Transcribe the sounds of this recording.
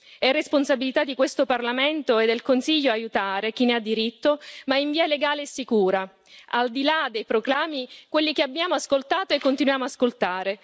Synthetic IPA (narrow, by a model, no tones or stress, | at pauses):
ɛresponsabilit̪ad̪ːikwest̪oparlament̪oed̪ːelkonsiʎːoaːjut̪aːɾek̟inead̪ːiɾit̪ːomaiɱviːaleɡaːleɛsːikuːɾa | ald̪ilad̪ejpɾoklaːmikwelːikeabːjaːmoaskolt̪aːt̪oekːont̪inwjaːmoaskolt̪aːɾe